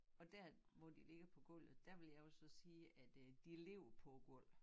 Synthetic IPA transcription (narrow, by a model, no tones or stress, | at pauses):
ɒ̽d̥æɐmɒ̽d̥ile̝ɡ̥əpʰɒ̽ɡ̥ɔl̰ð̩ˠd̥æɐʋe̝ljɑ̈ɪjo̝sɒ̽siːæd̥d̥ile̝ʊɐpʰɒ̽ɡ̥ɔl̰